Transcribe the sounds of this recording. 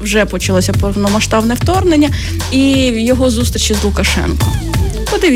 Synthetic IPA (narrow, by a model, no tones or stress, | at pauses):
wʒɛpɔt͡ʃɐlˠɔsʲɐpɔwnɔmɐʃt̪ɑbnɛwt̪ɔrnenʲːɐ | ijɔɦɔzust̪ɾʲit͡ʃizlˠʊkɐʃɛ̰nkɔ | pɔd̪ɪʋʲ